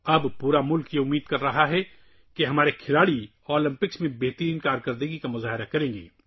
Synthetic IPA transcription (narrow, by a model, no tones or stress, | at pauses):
ɐbpuːɾamʊlkjeʊmːiːd̪̚kɐɾːɐɦaɦɛ | keɦɐmaːɾekʰɪlaːɽi | ɔːlɪ̃mpɪksmẽbɛːɦt̪əɾiːnkaːɾkɐɾd̪əɡikamʊzaːɦɪɾakɐɾẽːŋɡḛː